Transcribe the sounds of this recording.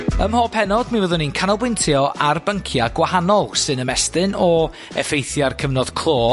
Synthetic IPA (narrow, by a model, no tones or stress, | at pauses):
əmhɔːpʰɛnɔd̥mivəðʊninkʰanɔlˠbwɪntʰjɔʔarbəŋkʰjaɡ̥wahanɔlˠsɨnəmɛstɨnɔ | ɛ̰fejθjarkʰəvnɔð̥kʰlˠoː